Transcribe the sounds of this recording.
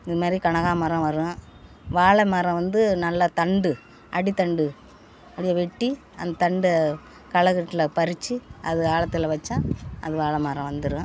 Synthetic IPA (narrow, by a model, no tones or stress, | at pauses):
ɪðɯmaːd̪ɾikɐɳɐɣaːmɐɾɐ̃ʋɐɾɯɐ̃ | ʋaːɭɐmaːɾɐ̃ʋɐnd̪ɯnɐlːɐt̪ɐɳɖɯ | ʔɐɽit̪ɐɳɖɯ | ɐɽɪjɐʋɛʈːi | ɐ̰nd̪ɐt̪ɐɳɖ | kɐɭɐɣɯʈːɯlɐpɐɾɪt͡ʃːɯɐðɯaːɭɐt̪ːɯlɐʋɐt͡ʃːãːɐ̰ðɯʋaːɭɐmaːɾɐ̃ʋɐnd̪ɯɾɯ̃